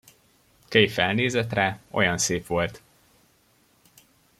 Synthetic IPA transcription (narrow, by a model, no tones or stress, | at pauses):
kejfɛlneːzɛt̪raːo̞̰jɒnseːpʋo̞lt̪